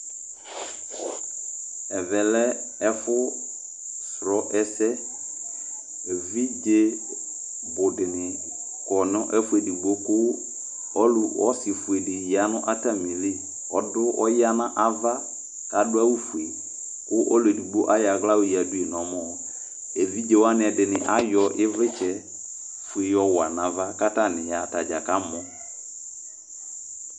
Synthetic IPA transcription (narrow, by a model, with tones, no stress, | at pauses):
ɛ˨vɛ˨lɛ˦ɛ˦fʊ˦ | sɾɔ˨˦ʔɛ˦sɛ˦˨ | vi˦d͡ʒe˦ | bʊ˨dɪ˨nɪ˨ | kɔ˨nɔ̃˦ʔɛ˦fʊ˦e˨di˨ɡ͡bo˦kʊ˦ | ɔ˦lʊ˨ɔ˦sɪ˨fu˨e˨dɪ˨ja˨˦nʊ̃˦ʔa˦ta˦mĩ˨li˦ | ɔ˨˦dʊ˦ʔɔ˦ja˦nã˦ʔa˦va˦ | ka˨dʊ˦a˦wu˦fu˨e˨ | kʊ˦ʔɔ˦le˨du˨ɡ͡bo˦ʔa˦ja˨ɣla˦wʊ˨ja˨du˦e˨n˨ɔ̃˨˦mɔ˦˨ | ɛ˨vi˦d͡ʒe˨wa˦nɪ˨ɛ˨dɪ˨nɪ˨ʔa˦jɔ˨˦ʔɪ˦vɪ˦t͡ʃɛ˦ | fu˨e˨jɔ˦wa˨nã˨va˦ka˦ta˦˨nɪ̃˨ja˨ta˨d͡ʒa˨ka˦mɔ˦